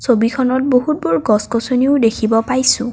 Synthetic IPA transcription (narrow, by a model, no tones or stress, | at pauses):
sobikʰɔnɔt̚boɦut̚bɔɹɡɔskɔsoniʊdekʰibɔpajsʊ̰̃